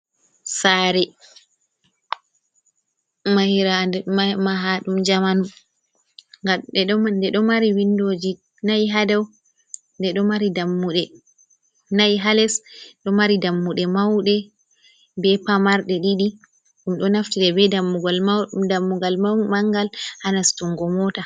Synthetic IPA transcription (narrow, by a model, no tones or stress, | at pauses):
saɾɛ | mahiɾandɛmmaɦaɗumd͡ʒamanum | ŋɡaɛɗɔmandɛɗɔmaɾiwindod͡ʒi | najiɦadɛw | ndɛɗɔmaɾidamːuɗɛ | najiɦalɛsɗɔmaɾidamːuɗɛmawɗɛ | bɛpamaɾɗɛɗiɗi | ɗumɗɔnaftiɗɛbɛdamːuɡalmadamːuɡalmamaŋɡalhanastuŋɡɔmɔta